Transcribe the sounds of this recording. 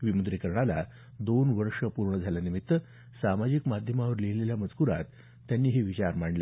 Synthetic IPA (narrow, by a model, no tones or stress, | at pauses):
ʋimud̪ɾikəɾɳala̰ | d̪onʋəɾʂəpuɾɳəd͡zʱalanimit̪ːə | samad͡ʑikmad̪ʱjəmaʋəɾleleljaməd͡zkuɾa̰t̪ː | janːiːɦeʋit͡ɕaɾmaɳle